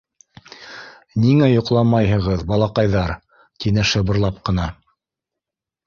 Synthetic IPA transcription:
niŋæjŏqlˠɑmɑjɦɤ̆ʁɤðbɑlˠɑqɑjðɑɾ | t̪inɘʃɤ̆βɤ̆ɾlˠɑp̚qɤ̆n̪ɑ

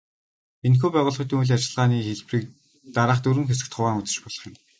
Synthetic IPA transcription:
enxoːpæːʁʊːɮχɞ̆t̪iuɮʲat͡ɕɪ̆ɮʁaːniːxeɮpriːk̚ | t̪aɾaːχt̪ɵɾɘ̆ŋxes̬ɘ̆k̚t̪χʊwaːŋʊt͡sə̆t͡ɕpɔɮɞ̆χjɪ̆m

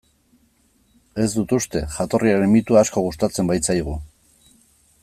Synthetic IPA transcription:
e̞zd̪ut̪ust̪e̞ʝat̪o̞rʔiaɾe̞mit̪uaːsko̞ɣ̞ust̪at͡se̞mbajt͡sajɣ̞u

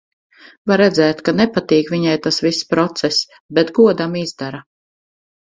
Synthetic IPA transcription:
vaɾːɛd̪zɛːt̪kanɛpat̪iːkviɲajt̪asvisːpɾɔt̪sɛs | bɛt̪ɡuɔd̪amizd̪aɾa

